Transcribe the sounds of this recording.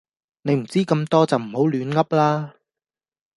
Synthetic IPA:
ne˨˧jm̩˨˩t͡siː˥kɐ˧mt̪ɔː˥t͡sɐ˨wm̩˨˩ho˨˥wlyː˨˧nŋɐ˥p̚laː˥

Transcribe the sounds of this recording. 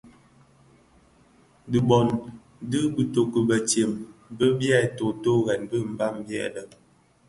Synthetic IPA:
di˨bɔ˨n | dɨ˦bi˨to˨kə˨bə˨t͡ʃje˨mbə˦bja˦˨to˨to˦ɣɛ˨nbə˦m̩˨ba˦˨mbɛ̰˦˨də˨

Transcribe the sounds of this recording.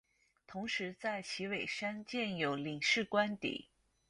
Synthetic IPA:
t̪ʰʊ˧˥ŋʂɻ̩˧˥t͡sa˥˩ɪt͡ɕʰi˧˥we˨˩ɪʂa˥nt͡ɕjɛ˥˩njo˨˩ʊli˨˩ŋʂɻ̩˥˩kwa˥nt̪ḭ˨˩˦

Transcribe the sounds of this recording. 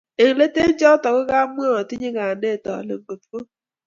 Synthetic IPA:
e˨ŋ̩˨le˦te˦n̩˦d͡ʒɔ˦tɔ˨ɣɪ˦ɣa˦m˦o˦˨ɔ˨ti˦ɲe˦ɡa˨a˨ne˦˨tɔ̰˨lɪ̰˨ŋ͡m̩˨˦ɡ͡bo˨fko˦

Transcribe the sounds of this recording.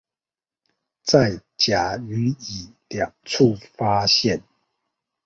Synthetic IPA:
t͡sa˥˩˨ɪt͡ɕja˨˩˦y˧˥˦i˨˩ljɑ˨˩ŋt͡sʰu˥˨fa˥ɕjɛ˥˨n

